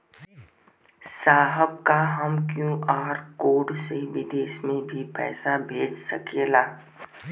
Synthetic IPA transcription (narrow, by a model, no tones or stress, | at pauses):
saːɦəb̚kaɦəmkjõːʔaːɾkoːɖseʋɪd̪eːʃmẽbʱipɛ̰ːsabʱeːd͡ʒsɐ̰keːlaː